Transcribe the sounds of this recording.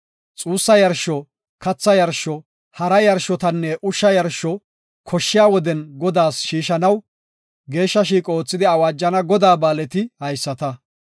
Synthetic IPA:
t͡sʼuːsːɐjɐɾʃɔ | kɐt͡sːɐjɐɾʃɔ | hɐɾɐjɐɾʃːɔt̪ɐnːɛʔʊʃːɐjɐɾʃɔ | kʰɔʃːɪjaːwɔd̪ɛnɡɔd̪aːsʃiːʃɐnɐw | ɡe̞ːʃːɐʃiːkʼɔoːt͡sːɪd̪ɪɐwaːd͡ʒːɐnɐɡɔd̪aːbaːlɛt̪ɪhɐjsːɐt̪ɐ

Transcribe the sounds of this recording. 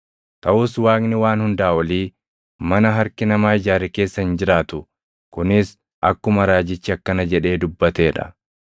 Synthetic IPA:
t̪ɐʔʊswaːknɪwaːnhʊnd̪aːɔliː | mɐnɐɦɐɾkɪnɐmaːɪd͡ʒaːɾɛke̞ːsːɐɪnd͡ʒɪɾaːt̪ʊ | kʊnɪs | ʔɐkːʊmɐɾaːd͡ʒɪt͡ʃːɪɐkːɐnɐd͡ʒɛᶑe̞ːd̪ʊbːɐt̪eːᶑɐ̰

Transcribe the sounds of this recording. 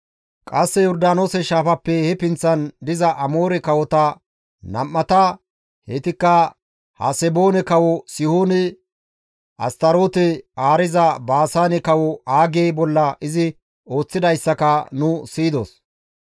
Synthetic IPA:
kʼɐsːɛjɔɾd̪aːnoːsɛʃaːfɐpːɛhɛpɪnt͡sːɐnd̪ɪzɐʔɐmo̞ːɾɛkɐwɔt̪ɐ | nɐ̰mːɐt̪ɐ | hɛt̪ɪkːɐ | hɐ̰sɛbo̞ːnɛkɐwɔsɪhoːnɛ | ʔɐ̰st̪ɐɾoːt̪ɛaːɾɪzɐbaːsaːnɛkɐwɔaːɡeːbɔlːɐʔɪzɪ | o̞ːt͡sːɪd̪ɐjsːɐkɐnʊsiːd̪o̰s

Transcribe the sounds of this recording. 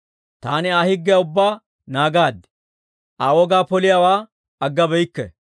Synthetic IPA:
t̪aːnɪaːhɪɡːɪjaʊbːaː | naːɡaːd̪ | ʔaːwɔɡaːpɔlɪjaːwaː | ɐɡːɐbɛjkːɛ

